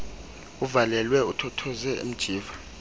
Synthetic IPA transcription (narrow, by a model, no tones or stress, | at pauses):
uvalɛlwɛutʰɔtʰɔzɛḭm̩d̥ʒ̥ʱiːva